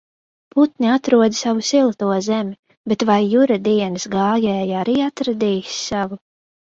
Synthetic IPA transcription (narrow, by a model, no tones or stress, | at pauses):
put̪nʲiat̪ɾuɔd̪savusilˠt̪uɔzemʲi | bet̪vajːuɾad̪iɛnɨsɡaːjɛːjaɾiːat̪ɾad̪iːssavu